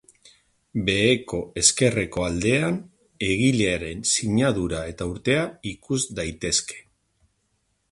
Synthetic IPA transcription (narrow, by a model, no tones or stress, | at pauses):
be̞ːko̞e̞ske̞reko̞ald̪e̞an | e̞ɣileaɾe̞nsiɲaðuɾae̞t̪auɾt̪e̞aikuzd̪ajt̪e̞ske̞̥